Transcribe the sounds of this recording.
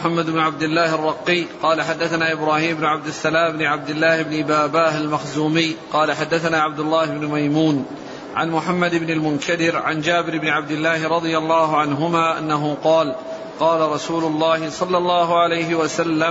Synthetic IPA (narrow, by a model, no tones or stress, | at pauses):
ħamːad̪ɪbnʊʕab̚d̪ɪlːaːharˤːɑqːɪjqɑːlaħad̪ːaθanaːʔɪbɾaːhiːmʊbnʊʕab̚d̪ɪsːalaːmɪbnɪʕab̚d̪ɪlːaːhɪbnɪbaːbaːhalmaxzuːmɪjqɑːlaħad̪ːaθanaːʕab̚d̪ʊlːaːhɪbnʊmajmuːn | ʕa̰nmʊħamːad̪ɪbnɪlmʊnkad̪ɪɾʕa̰nd͡ʒaːbɪɾɪbnɪʕabd̪ɪlːaːhɪɾˤɑd̪ˤɨjalˤːɑːɦʊʕanɦʊmaːʔa̰nːaɦʊqɑːl | qɑːlaɾˤɑsuːlʊlˤːɑːhɪsˤɑlːɑlˤːɑːɦʊʕalajɦɪwasalːa